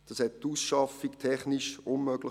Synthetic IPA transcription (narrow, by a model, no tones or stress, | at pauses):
d̥ɑshɛt̚tusʃɑfiktʰɛχniʃʊnmœɡ̥lɪ